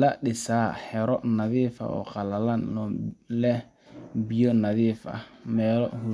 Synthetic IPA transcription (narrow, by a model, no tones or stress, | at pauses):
laɗɪsaːhɛɾɔnaðiːfa̰ɔ̰qalalanɔlɛ | bijɔnaðiːfa̰mɛːlɔ̰hu